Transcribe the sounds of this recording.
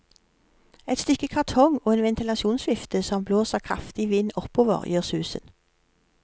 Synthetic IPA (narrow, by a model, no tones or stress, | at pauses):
ɛt̪st̪ʏkəkʰɑʁt̪ʰɔŋoːeːnʋɛnt̪ʰɪlɑʃuːnsʋɪft̪əsɔmbloːsəʁkʰʁɑ̰ft̪ɪʋɪnɔpoːʋə̰ʁjøːʁsʉːsə̰n